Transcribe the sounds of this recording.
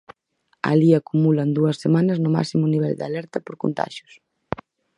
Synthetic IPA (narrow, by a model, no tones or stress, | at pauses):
a̰liakumulɐnd̪uɐsːemanɐznʊma̰ksimʊniβ̞ɛ̰ld̪ɪa̰lɛɾt̪ɐpoɾko̰nt̪a̰ʃjʊ̥s